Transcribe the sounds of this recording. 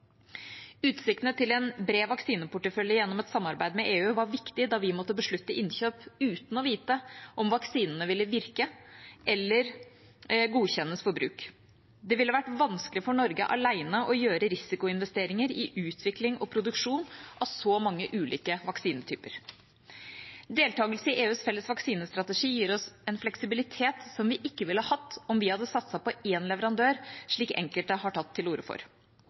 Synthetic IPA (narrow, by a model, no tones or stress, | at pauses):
ʉːt̪sɪk̚t̪nət̪ʰɪlɛnbɾeːʋɑksiːnəpʊʈːəfœljəjɛnːɔmɛt̪sɑmːɑɾbæɪd̪mɛʔeːʉːʋɑɾʋɪkt̪ɪd̪ɑʋɪmɔt̪ːəbəʂɭʉt̪ːəʔɪnçøːpʉːt̪n̩ɔʋiːt̪əʔɔmʋɑksiːnənəʋɪlːəʋɪɾkəʔɛlːəɾ | ɡuːçɛnːəsfɔɾbɾʉːk | d̪ɛʋɪlːəʋæʈʋɑnskəlɪfɔɳɔɾɡə̰ʔɑ̰læɪnəʔɔjøːɾəɾɪsɪkʊɪn̪ʋɛst̪eːɾɪŋəɾɪʔʉːt̪ʰʋɪklɪŋɔpʰɾʊd̪ʉkʂuːnʔɑʋsɔmɑŋːəʔʉːlʔiːkəʋɑksiːnət̪ʰy̰ːpəɾ | d̪eːlt̪ʰɑːɡəlsəɪʔeːʉːsfɛlːəsʋɑksiːnəst̪ɾɑt̪əʂiːjiːɾɔsɛnflɛksɪbɪlɪt̪ʰeːt̪sɔmʋɪʔɪkːəʋɪləhɑhɑt̪ːɔmʋɪhɑd̪ːəsɑt̪sɑpɔeːnlɛʋəɾɑnd̪øːɾʂɭiːkɛ̰ŋkəlt̪əhɑʈʰɑt̪ʰːɪluːɾəfɔ̰ɾ